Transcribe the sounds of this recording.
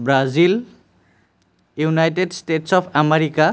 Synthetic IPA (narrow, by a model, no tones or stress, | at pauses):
bɾad͡zil | junajʈeɖsʈeʈsɔpʰameɾika